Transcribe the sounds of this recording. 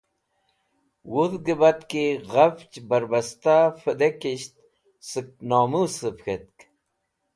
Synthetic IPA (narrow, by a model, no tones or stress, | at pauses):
wuðɡəbɐt̪kiɣɐft͡ɕbɐɾbɐst̪afəd̪ekiɕt̪ | sɨk̚noːmusəpxet̪̚k